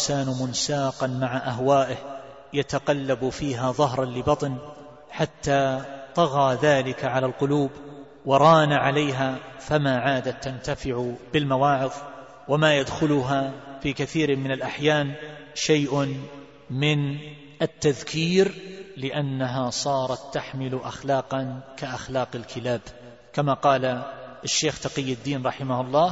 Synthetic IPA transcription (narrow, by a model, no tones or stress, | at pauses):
saːnmʊnsaːqɑnmaʕaʔaɦwaːʔɪh | jat̪aqɑlːabfiːɦaðˤɑɦɾˤɑnlɪbɑt̪ˤn | ħat̪ːaːt̪ˤɑɣaːðaːlɪkaʕalalqʊluːb | wɑɾˤɑːnaʕalajɦaːfamaːʕaːd̪at̪ːant̪afɪʕʊbɪlmawaːʕɪð | wamaːjad̪xʊlʊɦaːfiːkaθiːɾmɪnalʔaħjaːnʃajʔʊ | mɪn | ʔat̪ːaðkʰiːɾlɪʔanːaɦasˤɑːɾˤɑt̪ːaħmɪlʔaxlɑːqɑnkaʔaxlaːqalkʰɪlaːb | kamaqɑːlaʔaʃːeːxt̪aqijːɪd̪ːiːnɾˤɑħɪmahʊlˤːɑː